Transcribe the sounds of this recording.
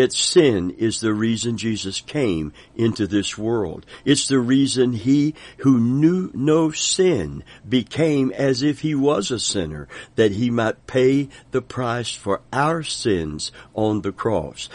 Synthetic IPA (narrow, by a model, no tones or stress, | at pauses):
ɨtsɪ̃nɪzðɨɹizɨ̃nd͡ʒizɨskʰẽɪ̃m | ɪ̃ntʉðɪswɜ˞lˠd̥ɨtsðɨɹizɨ̃nihunjʉnoʊsɪ̃nbɨkʰẽɪ̃mɨzɪfhiwʌzəsɪ̃nə̰˞ðɨt̚ɦimaɪt̚pʰeɪðɨpʰɹ̥aɪsfə˞aʊə˞sɪ̃nz̥n̩ðɨkʰɹ̥ɔ̰s